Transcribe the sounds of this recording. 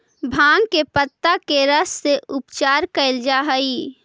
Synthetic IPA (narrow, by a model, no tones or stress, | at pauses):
bʱãːŋɡkepət̪ːakeɾəsːeʊpt͡ʃaːɾkəɪld͡ʒaɦəi